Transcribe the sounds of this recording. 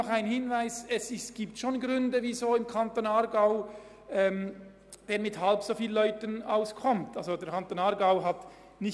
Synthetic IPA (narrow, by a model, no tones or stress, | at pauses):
ɔχaɪnhɪnvaɪsɛsɪsɡ̥iːp̚tʃoːnɡʁʏndəviːzoːɪmkʰantoːnaɾɡaʊ | ʔɛːm | d̥eːɾmɪthalpsoːfiːllœʏtənaʊskʰɔmtalzodɛɐkʰantoːnɑɾɡaʊɦɑt | nɪ